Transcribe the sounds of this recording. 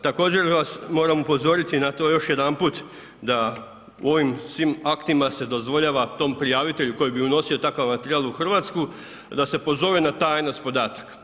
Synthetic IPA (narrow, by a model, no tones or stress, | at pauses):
t̪ako̞ːd͡ʑe̞ɾʋasmo̞ːɾamupo̞zo̞ːɾit̪inat̪o̞jo̞ʃje̞d̪anput̪ | d̪a | ṵo̞ʋimsʋimakt̪imase̞d̪o̞zʋo̞ʎaʋat̪o̞mpɾijaːʋit̪e̞ʎuko̞jibiuno̞sio̞t̪akaʋmat̪eɾiaːlˠuxr̩ʋat̪sku | d̪ase̞po̞zo̞ʋenat̪ajnaspo̞d̪aːt̪ḁk